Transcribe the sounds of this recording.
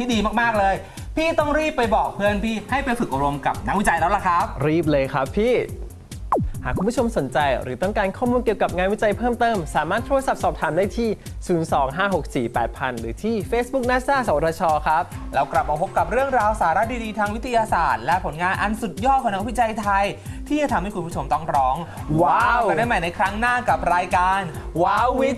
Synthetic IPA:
tt̪ʰiː˥˩diː˧maː˥˩k̚maː˥˩k̚lɤː˧j | pʰiː˥˩t̪ɔ˥˩ŋɾiː˥˩pːa˧jbɔː˨˩k̚pʰɯ˥˩ənpʰiː˥˩ha˥˩jpa˧jfɯ˨˩k̚ʔa˧ɾo˧mka˨˩p̚na˦˥k̚wi˦˥t͡ɕa˧jlɛː˦˥wla˨˩kʰɾa˦˥p̚ɾiː˥˩p̬̚lɤː˧jkʰɾa˦˥pʰːiː˥˩ | haː˨˩kʰu˧mpʰu˥˩t͡ɕʰo˧mso˩˦nt͡ɕa˧jɾɯː˩˦t̪ɔ˥˩ŋkaː˧nkʰɔː˥˩muː˧nki˨˩əwka˨˩p̚ŋaː˧nwi˦˥t͡ɕa˧jpʰɤː˥˩mt̪ɤː˥˩msaː˩˦maː˥˩t̪ʰːu˧a˧sa˨˩p̚sɔː˨˩p̚t̪ʰaː˩˦mdaː˥˩jt̪ʰiː˥˩ | suː˩˦nsɔː˩˦ŋɦaː˥˩ɦo˨˩k̚siː˨˩pɛː˨˩t̪̚pʰa˧nɾɯː˩˦t̪ʰiː˥˩feː˦˥s̚bu˦˥k̚naː˥saː˥˩sa˨˩˦wa˨˩t̪ʰːɔː˧t͡ɕʰɔː˧kʰɾa˦˥p̚ɾaː˧wkla˨˩p̚ʔa˧pʰo˦˥p̚ka˨˩p̚ɾɯ˥˩əŋɾaː˧wsaː˩˦ɾa˦˥t̪̚diː˧diː˧t̪ʰaː˧ŋwi˦˥t̪ʰi˧jaː˧sa̰ː˨˩t̪̚lɛ˦˥pʰo˩˦nŋaː˧nʔa˧nsu˨˩t̪̚jɔː˥˩t̪̚kɔː˨˩˦na˧˥˨wi˦˥t̪̚t͡ɕa˧jt̪ʰa˧jt̪ʰiː˥˩t͡ɕa˨˩t̪ʰmha˥jkʰu˧pʰu˥˩o˧mt̪ɔ˥˩ŋɾɔː˦˥ŋwaː˧˥wda˥˩ma˧˩jna˧jkʰɾa˦˥ŋnaː˥˩ka˨˩p̚ɾaː˧jkaː˧nwaː˧˩˥wi˦˥t̪̚

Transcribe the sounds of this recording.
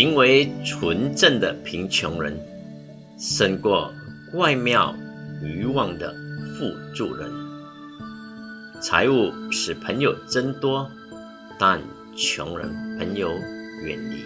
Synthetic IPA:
i˧˥ŋwe˧˥ɪt͡sʰwə˧˥nʈ͡ʂə˥˩nd̪ə˩pʰi˧˥ŋt͡ɕʰjʊ˧˥ŋɻə̰˧˦n | ʂə˥˧nkwɔ˥˩kwa˥˧ɪmjɑ˥˩ʊy˧˥wɑ˥˩ŋd̪ə̰˩fu˥˧ʈ͡ʂu˥˩ɻə̰˧˥n | t͡sʰa̰˧˥ɪu˥˩ʂɻ̩˨˩pʰə˧˥ŋjo˨˩ʊʈ͡ʂə˥nt̪wɔ˥ | t̪a˥˨n | t͡ɕʰjʊ̰˧˥ŋɻə̰˧˥npʰə˧˥njo˧˥ʊɥɛ̰˨˩nlḭ˥˩

